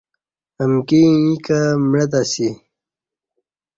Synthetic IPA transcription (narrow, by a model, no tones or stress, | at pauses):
əmkiikamɻat̪asi